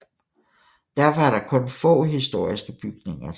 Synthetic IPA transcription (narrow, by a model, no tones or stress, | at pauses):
d̥æɐfɑæɐɾɑ̈kʰɔ̽nfɔ̰̽ːɦisd̥o̝ɐ̰isɡ̥əb̥yɡ̥ne̝ŋɐ